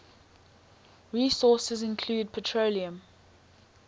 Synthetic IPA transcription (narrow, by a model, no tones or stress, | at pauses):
ɹiːsɔˑsəzɪ̃nkʰl̥uːd̚pʰətʰɹoliə̃m